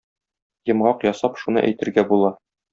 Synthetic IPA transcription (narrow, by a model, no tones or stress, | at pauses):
jɤ̆mʁɑqjɒsɑpʃunɤ̰ʔæ̰jt̪ɘ̆ɾɡæbulˠɑ